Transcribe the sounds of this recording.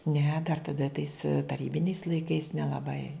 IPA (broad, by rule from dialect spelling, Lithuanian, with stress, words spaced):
nʲɛ dɐr tɐˈdɐ tɐɪs tɐˈrʲiːbʲɪnʲɛɪs lˠɐɪˈkɐɪs nʲɛlˠɐˈbɐɪ